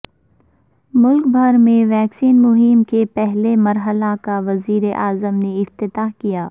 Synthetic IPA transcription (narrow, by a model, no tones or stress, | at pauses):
mʊlkbʱɐɾmẽʋɛːksiːnmʊɦɪmkepɛɦlemɐɾɦəlakaʋɐziːɾeʔaːzəmneɪft̪ɪt̪aːɦkijaː